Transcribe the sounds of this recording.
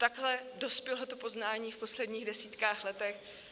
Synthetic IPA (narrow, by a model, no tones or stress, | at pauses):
t̪aɡɦlɛdo̞spjɛlot̪opo̞znaːɲiːfpo̞slɛdɲiːɣdɛsiːt̪kaːxlɛt̪ɛx